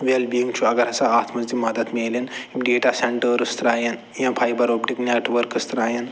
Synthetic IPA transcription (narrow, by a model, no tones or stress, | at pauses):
ʋelbijiŋɡt͡ʃʰuɐɡɐɾɐsaaːt̪ʰmɐzd̪imɐd̪ɐt̪meːleniɖeːʈaseɳʈəɾɨst̪ɾaːjɐn | jɐ̃pʰajbɐɾopʈikneʈʋəɾkɨst̪ɾaːjɐn